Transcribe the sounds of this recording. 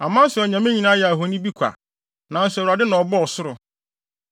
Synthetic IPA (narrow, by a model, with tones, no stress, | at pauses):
a˨mã˦sɔ˨ɲã˨mɪ̃˦ɲĩ˦nã˦jɛ˨ɦo˨nĩ˦bi˦kʷʰa̰˨ | nã˨n̩˦sɛ˨ɾa˨dɪ˦nã˨ɔ˨bɔ˦ɔ˨sʊ˦ɾʊ˨